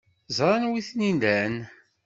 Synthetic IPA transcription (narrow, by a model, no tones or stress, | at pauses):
zɾˤɑnwiθninæn